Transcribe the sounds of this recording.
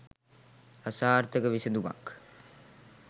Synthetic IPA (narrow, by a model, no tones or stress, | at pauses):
asaːɾt̪əkəʋisəd̪uma̰k